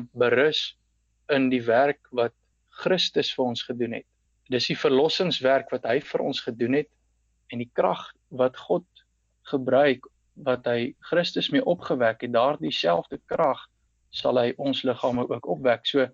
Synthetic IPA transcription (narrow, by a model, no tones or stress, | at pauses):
bəɾəs | əndiværkvɐt̚ | χrəstəsfəɾɔnsχədunɦɛ̰t̚ | dəsdifərlɔsəŋsværkvɐtɦəjfəɾʔɔ̰nsχədunɦɛt̚ | ɛndikrɐ̰χ | vɐtχɔt̚ | χəbɾœɥk | vɐtɦəjχrəstəsmiəʔɔpχəvækɛt̚dɑːrdisælˠfdəkrɐχ | sɐ̰lˠɦəjʔɔnsləχɑːməʔuəkɔpvæksuə